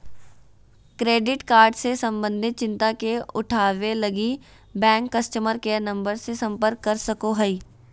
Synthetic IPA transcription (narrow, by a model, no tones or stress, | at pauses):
kɾeːɖɪʈkaːɾɖsesɐ̃mbə̃nd̪ʱɪt̪̚t͡ʃɪ̃nt̪akeʊʈʰaːʋelɐɡi | bɛ̃ːŋkːɐsʈəməɾkenɐ̃mbəɾsesɐ̃mpəɾkːɐɾsɐkoɦɐi